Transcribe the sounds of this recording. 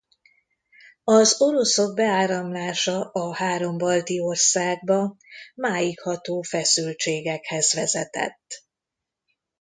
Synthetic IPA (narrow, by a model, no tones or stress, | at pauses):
ɒzo̞ɾo̞soɡ̚bɛaːɾɒmlaːʃɒʔɒhaːɾo̞mbɒlt̪io̞rsaːɡ̚bɒmaːjikhɒt̪oːfɛsylt͡ʃeːɡɛkhɛzʋɛzɛt̪ɛ̰t̪ː